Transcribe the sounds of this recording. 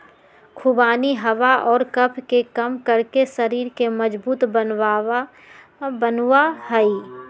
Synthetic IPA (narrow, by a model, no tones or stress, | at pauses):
kʰubaːniɦɐʋaʔɔːɾkɐpʰkekɐmkəɾkesɐɾiːɾkemɐd͡ʒbuːt̪bənwaː | bənwahəi